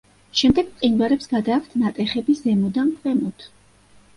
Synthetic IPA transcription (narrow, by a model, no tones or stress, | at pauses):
ʃɛmd̪ɛɡ̥̪sʼinɡaɾɛpsɡ̥ad̪aːkʰt̪ʰnat̪ʼɛχɛbizɛmɔd̪ampɛmɔt̪ʰ